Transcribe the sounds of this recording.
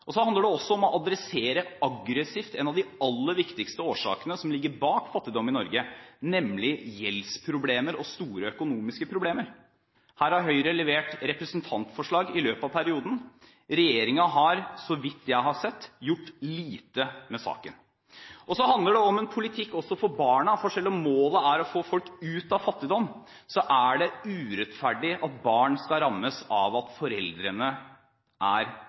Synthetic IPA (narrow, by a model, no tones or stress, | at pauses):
ʔɔsɔhɑnd̪əɖɛɔsːɔɔmɔʔɑd̪ɾɛseːɾəɑɡɾəsɪft̪ɛnɑʋd̪ɪɑlːəɾʋɪkt̪ɪkst̪əoːʂɑ̰ːkənəsɔmlɪɡːəɾbɑːkfɑt̪ːɪd̪ɔmːɪnɔɾɡənɛmlɪjɛlspʰɾʊbleːməɾɔst̪uːɾəœkʊnuːmɪskəpʰɾʊbleːməɾ | hæːɾhɑɾɦœʏɾəlɛʋeːʈɾɛpɾəsnt̪ʰɑnt̪fɔʂɭɑːɡɪløːpɑʋpʰæɾɪuːd̪n̩ | ɾɛjeːɾɪŋɑɦɑɾsɔʋɪt̪ːjæɪɦɑsɛt̪ːjʊʈːliːt̪əmɛsɑ̰ːkən | ʔɔsɔɦɑnd̪ləɖɛɔmɛnpʰʊlɪt̪ʰɪkːɔsːɔfɔbɑːɳəfɔʂɛlːɔmːoːləæɾɔfoːfɔlkʉːt̪ɑʋfɑt̪ːɪd̪ɔmː | sɔʔæɖɛʉːɾɛt̪fæɖɪʔɑt̪bɑːɳskɑɾɑmːəsɑ̰ʋɑt̪fɔɾɛ̰ld̪ɾənə | ʔæɾ